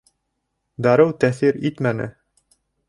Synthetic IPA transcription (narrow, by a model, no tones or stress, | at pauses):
d̪ɑɾɤwt̪æθiɾit̪mænɘ̰